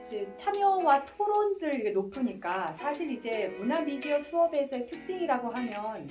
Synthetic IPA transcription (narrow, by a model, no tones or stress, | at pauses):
d͡ʑet͡ɕʰamjʌwatʰoɾondɯɭenopʰɯɲik͈asʰaɕʰiɾid͡ʑe̞munamidiʌsʰuʌbe̞sʰʌetʰɯk̚t͡ɕ͈iŋiɾaɡoɦamjʌn